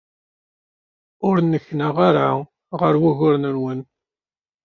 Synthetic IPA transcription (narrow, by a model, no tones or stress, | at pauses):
ʊɾnːəçːnaʁaɾa | ʁəɾwæɣʊɾnəɾwən